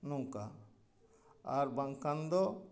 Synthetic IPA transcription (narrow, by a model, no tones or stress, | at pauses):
nuŋka | aɾbãŋkand̪ɔ